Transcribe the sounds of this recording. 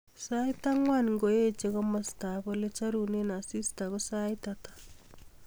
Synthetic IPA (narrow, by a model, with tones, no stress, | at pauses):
sa˦i˦ta˦ŋwa˦nŋɡo˨je˦t͡ʃe˦ɣo˦ma˦sta˨βole˦t͡ʃa˦ɾu˨ne˦na˨si˦sta˨ɣo˦sa˦itatḁ